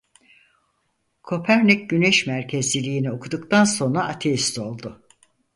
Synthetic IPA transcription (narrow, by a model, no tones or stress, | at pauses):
kʰo̞pʰæɾnicɟyneʃmæɾcʰe̞zilʲiːnio̞kʰud̪ukt̪ʰanso̞nɾaʔːt̪ʰeist̪o̞lˠd̪ʊ